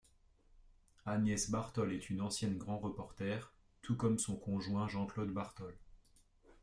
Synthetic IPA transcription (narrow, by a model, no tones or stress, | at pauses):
anjɛsbaʁt̪ɔlɛt̪ʰynɑ̃sjɛnɡʁɑ̃ʁəpɔʁt̪ɛʁ | t̪ukɔmsɔ̃kɔ̃ʒwɛ̃ʒɑ̃klod̪baʁt̪ɔl